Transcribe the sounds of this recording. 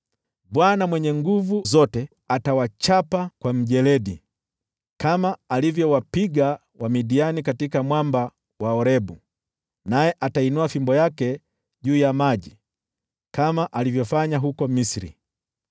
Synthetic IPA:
ɓwanamwɛɲɛŋɡuvuzɔtɛ | atawat͡ʃapakwam̩ʄɛlɛɗi | kamaːlivjɔwapiɡa | wamiɗianikatikamwamba | waɔɾɛbu | najɛʔatainuafimbɔjakɛ | ʄuːjamaʄi | kamaʔalivjɔfaɲaɦukɔmisɾḭ

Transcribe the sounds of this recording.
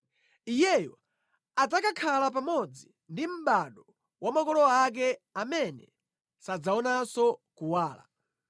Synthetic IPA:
ijɛjɔ | ad͡zakakʰalapamɔd͡zi | ndim̩ɓaɗɔ | wamakɔlɔak̬ɛamɛnɛ̰ | sad͡zaɔnasɔkuwaːla̰

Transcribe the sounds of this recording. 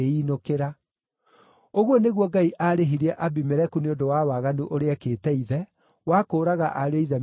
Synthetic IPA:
einokeɾa | oɣwɔneɣwɔɡaiʔaɾeɦiɾɛʔabimɛɾɛkuneondowawaɣanuʔoɾeakeːtɛiðɛ | wakoːɾaɣaʔaɾoiðɛm

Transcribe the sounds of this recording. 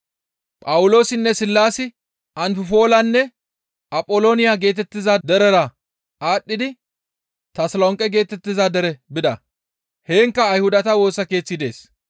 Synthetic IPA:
pʼɐwʊlo̞ːsɪnːɛsɪlːaːsɪ | ʔɐnfɪfo̞ːlɐnːɛ | ʔɐpʼːoloːnɪjaːɡe̞ːt̪ɛt̪ːɪzɐd̪ɛɾɛɾɐ | ʔaːɗːɪd̪ɪ | t̪ɐslɔŋkʼɛɡe̞ːt̪ɛt̪ːɪzɐd̪ɛɾɛbɪd̪ɐ | heːŋkːɐːjhʊd̪ɐt̪ɐwo̞ːsɐke̞ːt͡sːɪd̪e̞̰ːs

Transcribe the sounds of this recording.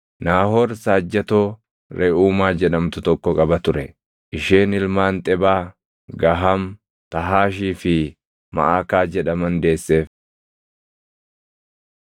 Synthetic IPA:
naːhoːɾsaːd͡ʒːɐt̪oː | ɾɛʔuːmaːd͡ʒɛᶑɐmt̪ʊt̪ɔkːɔkʼɐbɐt̪ʊɾɛ | ʔɪʃeːnɪlmaːnt̪ʼɛbaː | ɡɐɦam | t̪ɐɦaːʃiːfɪ | mɐ̰ʔaːkaːd͡ʒɛᶑɐmɐnd̪e̞ːsːe̞ːf

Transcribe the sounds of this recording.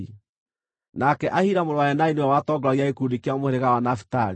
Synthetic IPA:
i | nakɛʔahiɾamoɾɔwajɛnainewɛwatɔɡɔɾaɣiaekudikjamoheɾeɣawanafi̥taɾi

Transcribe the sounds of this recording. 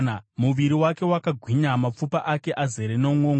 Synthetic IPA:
muʋiɾiwake̞wakaɡʱwiɲamap͡fupaʔake̞ʔaze̞ɾenouŋoːŋ

